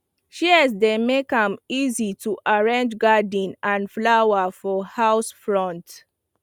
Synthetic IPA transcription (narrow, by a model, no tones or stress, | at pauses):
ʃɛs̬demekãmizitʰuʔaɹẽnd͡ʒɡadĩnãnflawafɔhaʊsfɹɔ̃nt